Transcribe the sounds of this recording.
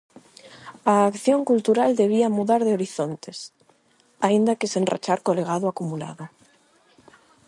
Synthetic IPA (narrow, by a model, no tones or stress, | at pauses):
aːkθjoŋkult̪uɾald̪eβ̞iamuðaɾðeoɾiθont̪es | aind̪akesenra̰t͡ʃaɾkoleɣ̞aðoakumula̰ða